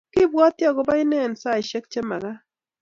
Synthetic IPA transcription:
kɪ˦bwɔ˦t̪jɔ˦ɡɔ˨ba˦ɪ˦nɛ˦˨nsa˦ɪ˨ʃe˦kt͡ʃe˦ma˨ɡa˦

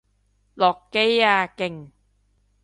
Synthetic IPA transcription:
lɔ˨˩kːe˦˥˩jaː˧ke˨˩ŋ

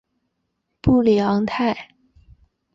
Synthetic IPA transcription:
pu˥˩ljɑ˧˥ŋt̪ʰa˥˩ɪ

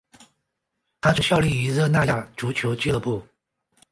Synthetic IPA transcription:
t̪ʰa˥t͡s̩ʰ˥˩ɕjɑ˥˧ʊli˥˩i˧˥zə˥˧na˥˧ja˥˩ʈ͡ʂu˧˥t͡ɕʰjo˧˥ʊt͡ɕi˥lə˧˩pu˥˩

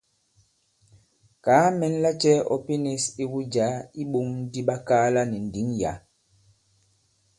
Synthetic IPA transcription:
kaː˨˦mɛ˨n˦la˦t͡ʃɛ˦ɔ̰˨pi˦ne˦si˦wu˦d͡ʒa˨˦i˦ɓo˨˦ŋn̩˦di˦ɓa˦kaː˦la˦ni˨n̩˨di˨˦ŋja̰˨˦

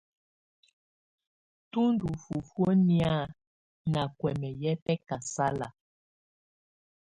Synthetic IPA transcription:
tu˦ndu˨fu˨fwo˦ni˦a˦ | na˨kwɛ˨mɛ˨jɛ˦pɛ˦ka˨sa˦la̰˨

